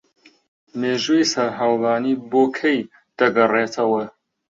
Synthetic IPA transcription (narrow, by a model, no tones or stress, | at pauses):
meːʒuisɐɾɦawlaːniːboːkʰej | d̪̥ɐɡɐreːt̪ʰɐwɐ